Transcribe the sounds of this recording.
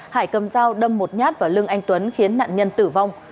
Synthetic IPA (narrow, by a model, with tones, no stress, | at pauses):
haː˧˩jkə˨˩mzaː˧wɗə˧mːo˨˩t̚ɲaː˦˥t̚vaː˨˩lɨ˧əŋʔa˧jŋ̟t̪wə˨˦nxi˨˦ənːa̰ː˧˨nɲə˧nt̪ɨ˧˩va˧wŋ͡m